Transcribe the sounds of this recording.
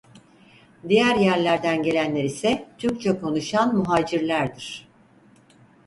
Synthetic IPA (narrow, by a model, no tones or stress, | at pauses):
d̪ijæɾjæɾlʲæɾd̪ænɟe̞lʲænlʲe̞ɾisɛt̪ʰyɾk̚t͡ʃʰɛkʰo̞nuʃanmuɦaːd͡ʒiɾlʲæɾd̪iɾ̥